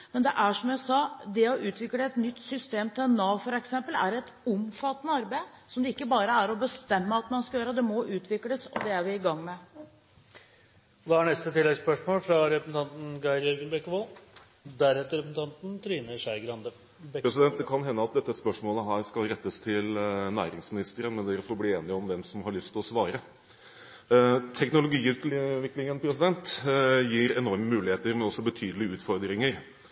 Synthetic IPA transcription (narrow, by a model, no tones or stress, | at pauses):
mɛnd̪ɛʔæʂɔmjæɪsɑːd̪ɛɔʔʉːt̪ʋɪkːləɛt̪nʏt̪ːsʏst̪eːmt̪ʰɪlɛnːɑːfɔɾɛksɛmpəlæ̰ɾɛt̪ɔmfɑt̪ːənəɑɾbæɪsɔmd̪ɛɪkːəbɑːɾəæɾɔbəst̪ɛmːəɑt̪mɑnskɑjøːɾəd̪ɛmɔʔʉːt̪ʰʋɪkləsɔ̰d̪ɛæɾʋɪɪɡɑŋːmɛ | d̪ɑhɑɳɛst̪ət̪ʰɪlːɛɡspœʂmoːlfɾɑɾɛpəsn̩t̪ɑnt̪n̩ɡɑɪɾjœɾɡənbɛkːʋoːl | d̪æɾɛt̪ːəɾɛpəsn̩t̪ɑnt̪n̩t̪ʰɾiːnəʂæɪɡɾɑnd̪ə | pɾɛsɪd̪ɛnt̪d̪ɛkʰɑnɦɛnːəɑt̪̚d̪ɛt̪ːəspœʂmoːləɦæːɾskɑlɾɛt̪ːəst̪ʰɪlnæːɾɪŋsmɪnɪst̪əɾənmɛnd̪æɾfɔɾbliːeːnɪɔmʋɛmsɔmhɑɭʏst̪ʰːɪlɔsʋɑːɾə | t̪ʰɛknʊlʊɡiːʉːt̪ʋɪkːlɪŋənpʰɾɛsɪd̪ɛnt̪jiːɾɛnɔɾməmʉːlɪeːt̪əɾmɛɔsːɔbət̪ʰyːd̪əlɪʉːt̪fɔɾd̪ɾɪŋəɾ